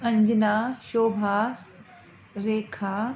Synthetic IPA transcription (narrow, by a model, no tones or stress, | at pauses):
ɐ̃ɲd͡ʑnaːʃoːbʱaː | ɾeːkʰaː